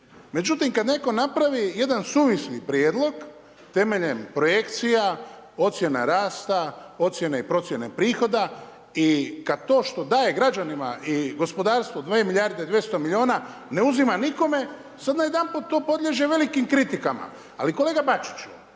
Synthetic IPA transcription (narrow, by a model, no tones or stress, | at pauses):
me̞d͡ʒut̪imkad̪ne̞ko̞napɾaʋije̞d̪ansuːʋislipɾjeːd̪lˠo̞ɡ | t̪e̞me̞ʎe̞mpɾo̞je̞kt̪sija | o̞t̪sje̞na̰ɾaːst̪ao̞t̪sje̞neipɾo̞t̪sje̞ne̞pɾiːxo̞d̪a | ikad̪̚t̪o̞ːʃt̪o̞d̪aːje̞ɡɾad͡ʒanima̰ʔiɡo̞spo̞d̪aːɾst̪ʋod̪ʋeːmiʎʲaɾd̪ed̪ʋje̞st̪o̞milʎʲio̞ːnane̞uzimaniko̞me̞ | sad̪naje̞d̪anput̪ːo̞ːpo̞d̪lʎʲe̞ʒe̞ʋe̞likimkɾit̪ikama̰ | a̰likole̞ːɡabat͡ʃi̥t͡ʃu